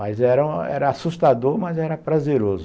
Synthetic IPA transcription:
mɐjzɛɾɐ̃ɛ̰ɾɐasust̪ad̪oɾmɐzɛɾɐpɾazeɾozʊ

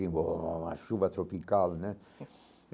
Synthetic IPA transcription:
iɡɔma̰ʃuːbat̪ɾopikalnɛ

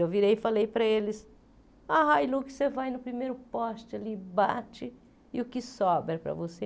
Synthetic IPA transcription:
ewviɾejɪfalejpɾɐelɪs | aɦajlukɪ̥sevajnʊpɾimejɾʊpɔʃt͡ʃɪalibat͡ʃɪ | ɪʊkɪsɔbɾɐpɾɐ̰vose

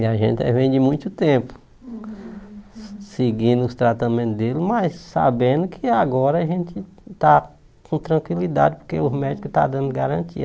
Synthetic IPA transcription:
iaʒẽt̪ɛ̰vẽj̃d̪ɪmũj̃t̪ʊt̪ẽpʊ̥ | sɪɡĩnd̪ʊʊst̪ɾat̪amẽnt̪ʊd̪elɪmɐjssa̰bẽnd̪ʊkʰɪaɡɔɾɐaʒẽt͡ʃ̪ɪ | t̪a | kʰõt̪ɾɐ̃kwilid̪a̰d͡ʒɪpo̥ɾkeʊmɛd͡ʒikʊt̪a̰d̪ɐ̃nd̪ʊɡaɾɐ̃t̪ḭɐ

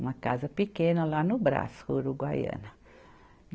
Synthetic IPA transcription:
makazəpikenolanubɾa̰shuɾuɡwajə̰na

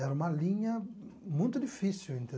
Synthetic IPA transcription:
ɛɾɐũmɐlĩɲɐmũnt̪ʊd̪ifisiwĩnt̪e

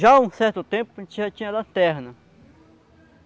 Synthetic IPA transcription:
ʒaũsɛɾt̪ot̪ẽmpot͡ʃiat͡ʃĩãd̪an̥t̪ɛɦanã

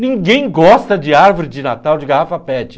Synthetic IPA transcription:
nĩŋɡẽj̃ɡɔst̪ɐd͡ʒɪaɾvoɾɪd͡ʒɪnat̪awd͡ʒɪɡahafɐpɛt͡ʃɪ̥

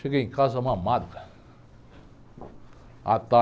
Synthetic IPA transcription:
ekikas̬amamad̪ka | a̰t̪a

